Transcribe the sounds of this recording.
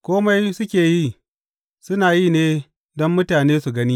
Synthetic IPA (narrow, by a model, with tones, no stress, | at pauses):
kʷoː˦ma˦jsʊ˦kʲeː˨ji˦ | sʊ˦naː˨ji˦neː˦ | dɔ˦mːʊ˦taː˨neː˦su˨ɡɐ˦niː˦